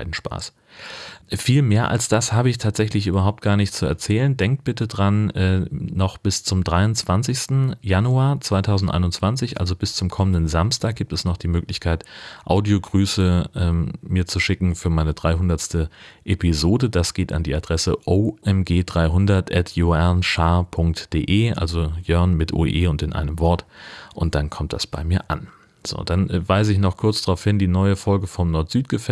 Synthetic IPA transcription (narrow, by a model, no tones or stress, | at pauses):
ɪdn̩ʃpa̰ːs | fiːlmeːɐʔa̰lsd̥ashaːbəɪçtʰaːtz̥ɛçlɪçʔyːbɐɦaʊp̚t̚ɡ̥aːɐnɪçtt͡suɛ̰ɐt͡sɛːləndɛŋk̚t̚b̥ɪtədʁanʔɛːnɔχb̥ɪst͡sʊmdʁaɪʊnt͡sv̥ant͡sɪçstn̩januaːɐt͡sv̥aɪtʰaʊzn̩tʔa̰ɪnʊnt͡sv̥ant͡sɪçʔa̰lzobɪst͡sʊmkʰɔməndənzamstaːk̚ɡ̥iːp̚tɛsnɔχd̥iːmøːklɪçkʰaɪtʔa̰ʊdioɡʁyːsəʔɛːmmiːɐt͡suʃɪkŋ̩fyːɐmaɪnədʁaɪɦʊndɐtstəʔepizoːdədasɡ̥eːta̰ndiːad̥ʁɛsəʔoʔɛmɡeːdʁaɪɦʊndɐtʔɛtʰjoɛaɐnʃaːpʰʊŋk̚td̥ḛːʔeːʔa̰lzojœɐnmɪtʔo̰ːʔeːʊntɪnʔa̰ɪnəmvɔɐtʔʊnt̚d̥ankʰɔmtd̥asb̥aɪmiːɐʔa̰n | z̥o̰ːd̥anvaɪzəɪçnɔχkʰʊɐt͡sd̥aʁaʊfhɪndiːnɔʏəfɔlɡəfɔmnɔɐtz̥yːtɡ̥əfɛ